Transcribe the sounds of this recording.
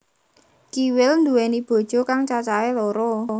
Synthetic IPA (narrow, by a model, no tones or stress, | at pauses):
kiwɪlnd̪uɛnib̥o̤d̥ʒ̥ɔ̤kaŋt͡ʃat͡ʃaelɔɾɔ